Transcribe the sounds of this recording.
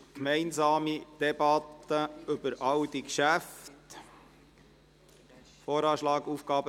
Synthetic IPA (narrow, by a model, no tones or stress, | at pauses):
kmɛɪnzɑːmid̥ɛbɑt̪ːəɵbəɾʔɑwd̪ikʃæft | foːɾɑːʃlɑːɡuːfɡ̥ɑːbə